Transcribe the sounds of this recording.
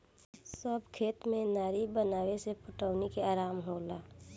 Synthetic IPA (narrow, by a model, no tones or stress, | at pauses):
səbʱkʰeːt̪mẽnaːɾibənaːwesepʊʈəʊnikeaːɾaːmɦoːlaː